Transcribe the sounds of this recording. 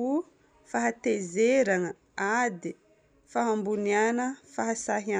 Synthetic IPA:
u | faɦat̪ezeɾaŋə | ad̪i | faɦambunianəfaɦasaɦia

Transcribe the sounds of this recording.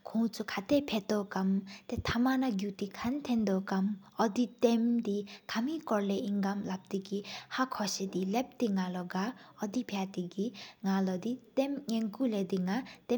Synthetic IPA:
kʰũt͡sʰukʰat̪epʰet̪ɔkamt̪et̪ʰamanaɡjut̪ikʰant̪ʰend̪ɔkam | ɔd̪it̪emd̪ikʰamikɔɾleiŋɡamlap̚t̪iɡihakʰɔsed̪ilep̚t̪iŋalɔɡaɔd̪ipʰjat̪iɡiŋalɔd̪it̪emŋeŋkuled̪iŋat̪e

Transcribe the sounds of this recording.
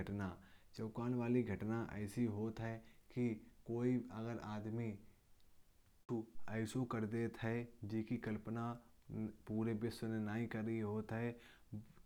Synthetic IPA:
əʈnat͡ʃɐʊkaːnʋaːliɡʱɐʈnaʔɛ̰ːsiɦoːt̪ɦɛkikoːiɐɡəɾaːd̪mi | ɛːsokəɾd̪eːt̪ɦɛd͡ʒiːkikɐlpəna | puːɾebɪsnenaːɦĩkɐɾːəɦiɦoːt̪ɦɛ

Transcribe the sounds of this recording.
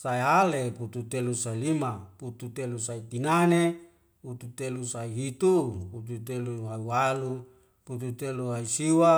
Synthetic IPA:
saealeput̪ut̪elusailimaput̪ut̪elusait̪inane | put̪ut̪elusaiɦit̪uput̪̬ut̪eluɦaiwalu | put̪ut̪eluɦaisiwa

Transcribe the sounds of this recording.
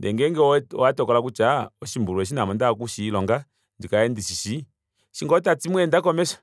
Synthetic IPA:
ndɛ̰ŋɡɛŋɡɛɔwatɔkɔlak̬ut͡ʃaɔʃimbuluwɛʃ̬inamɔndak̬uʃilɔŋɡa | ndikaɛndiʃiʃi | ʃiŋɡɔtat͡simwɛndakɔmɛsḁ

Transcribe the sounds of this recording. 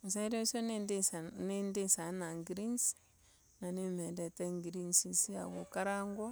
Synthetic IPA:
mas̬aɾosonedesanendesanaŋɡiɾins | nanimedeteŋɡiɾinsisia̰ɡokaɾaŋɡɔ

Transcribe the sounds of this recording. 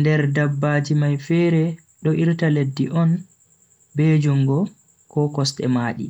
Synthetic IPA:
ndɛɾdabːaːd͡ʒimajfɛɾɛ | ɗɔʔiɾtaledːiʔɔn | bed͡ʒuŋɡɔ | kɔkɔstɛ̰maːɗḭ

